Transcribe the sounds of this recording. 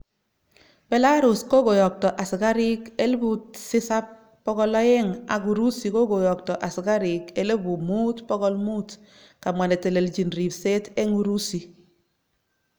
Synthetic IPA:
be˨la˦ɾu˨sko˦ɡo˨jɔ˨k̚tɔ˨ʔa˨si˨ka˦ɾi˦ke˦lbu˨tsɪ˦sa˦p̚ː | ɔ˦ɡɔ˦lɔ˦je˦ŋa̰˨ɡu˨ɾu˦si˨ko˦ɡo˨jɔ˨k̚tɔ˨ʔa˨si˨ɡa˦ɾi˨ke˦le˦bu˨muː˦tpɔ˦ɡɔ˦lmu˦t | ka˨mwa˨ne˨te˨le˨ld͡ʒi˨nɾi˨pse˦te˦ŋu˨ɾu˦si˨

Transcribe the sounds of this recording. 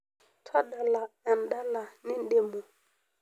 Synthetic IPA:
tʰɔ˦ɗa˨la˨ɛ˨nɗa˦la˨ni˦n˦ɗe˨mo˨

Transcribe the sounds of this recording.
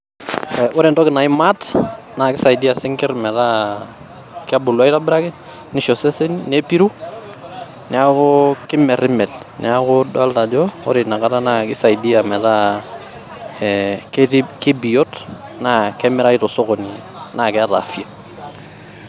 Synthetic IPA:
ɛwɔ˦ɾɪ˨ntɔ˦kɪ˨na˨ɪ˦mat | na˨kɪ˦sa˨jdi˦a˨sɪ˦ŋkɪ˦rmɛ˨ta˦ | kɪ˦a˦bʊ˨lwa˦ɪta˦bɪɾa˦kɪ˦ | nɪ˦ʃɔ˨sɛ˦se˦nine˦pi˦ɾu | nɪ˨akʊkɪ˦mɛ˨ɾɪmɛ˨lnɪ̰akʊdɔalta˨d͡ʒɔɔ̰ɾɪna˨kata˦nakɪ˦sa˨idiamɛ˨ta | ɛkkɪ˦bi˨jɔt | na˦kɛmɪ˦ɾa˦ɪtɔsɔ˦kɔni | nakɪ˦ata̰fi˦a

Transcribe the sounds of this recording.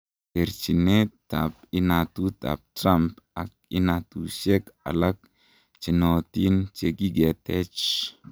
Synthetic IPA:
te˨ɾt͡ʃi˨ne˦ta̰p̚ɪ˦natu˦ta̰˨p̚tɾampak̚ɪ˦natu˨ʃe˦ka̰˨la˦k̚ | t͡ʃi˨nɔ˨ti˦nt͡ʃe˨ɡi˦ɡɛ˨tɛ˦t͡ʃ

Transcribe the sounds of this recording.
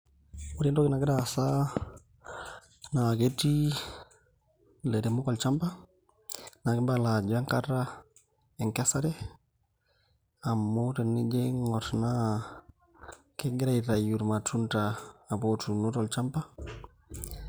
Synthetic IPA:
u˦ɾɛ˦ndɔ˦ki˦na˨ɡɪ˦dasa˦ | na˨ɡe˦ti˦ | le˨de˨mu˦kɔ˨lt͡ʃa˦mpa˦ | na˨ɡɪ˦ba˦la˨d͡ʒa˦ŋka˦ɾa˦ | e˨ŋke˦sa˦ɾɛ˦ | a˨mːute˨ni˦d͡ʒe˦ŋɔ˨tna˦ | ke˦ɡɪ˦ɾa˦iɾa˨ju˨ɾma˨tu˦ntaː˨botu˨nu˦tɔ˨lt͡ʃa˦mpa˦

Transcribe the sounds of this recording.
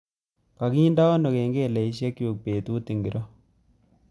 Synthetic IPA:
ka˨kiː˦nda˦ɔ˦no˨ke˨ŋɡeː˦˨lɛ˨i˦ʃ̬je˦kju˨k̚peː˨tuː˦ti˨ŋɡi˨ɾʔɔ˦

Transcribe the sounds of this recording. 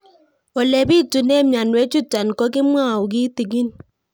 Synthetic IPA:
o˨le˨bi˦˨tu˨ne˦m˨a˨nwe˦t͡ʃu˦ta˨n˨kɔ˦ki˦m˦a˦˨u˨ɡi˦ti˨ɡi˦n

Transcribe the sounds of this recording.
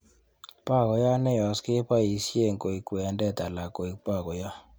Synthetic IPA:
pa˦˨ɡɔ˨ja˦nɛ˦jɔ˨skɪ˦pa˦i˨sje˦˨ŋko˨i˨kwe˨a˨ndɛ˦˨ta˨la˨ko˨i˨pa˦˨ɡɔ˨ja˦

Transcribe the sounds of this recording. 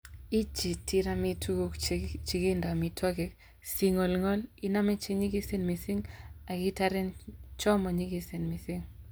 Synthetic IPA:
i˦t͡ʃi˨ti˦ɾa˦mi˦tʰu˦ɡo˦kt͡ʃi˨ɡi˦nda˨mi˨tʰwɔ˦ɡɛ˨k | si˦ŋɔ˨lŋɔ˦li˦na˦me˦t͡ʃe˦ɲi˦ɡi˦se˦nmi˨si˦ŋa˨ɡɪ˦ta˦ɾe˦nt͡ʃɔ˦mɔ˨ɲi˦ɡi˦se˨nmi˨si˦ŋ

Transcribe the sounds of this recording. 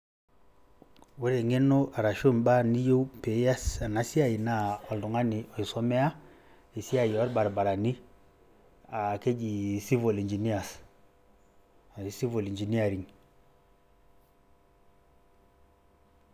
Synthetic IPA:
we˦ɾe˨ŋe˦no˦ʔa˨ɾa˨ʃo˦˨nba˦ni˦jo˦u˦pe˨˦ja˦sa˨na˨si˦a˨ji˨na˦ɔ˨ldu˨ŋa˦ni˨ɔ˨i˨so˦me˦a˦ | i˨si˦a˨jɔ˦ɾba˨ɾba˨ɾa˨ni˦ | a˨ke˦d͡ʒi˨si˦vo˨li˨ɲd͡ʒi˨ni˦a˨s | a˨i˨si˦vo˨li˨nd͡ʒi˨ni˦a˨ɾi˨ŋ

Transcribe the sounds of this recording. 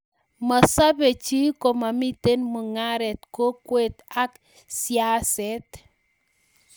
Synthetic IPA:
ma˨sa˦be˨t͡ʃi˦ko˨ma˨mi˦te˦nmu˨ŋa˦ɾɛ˨tko˦kwe˨t̪a˦k | sja˦sɛ˦t

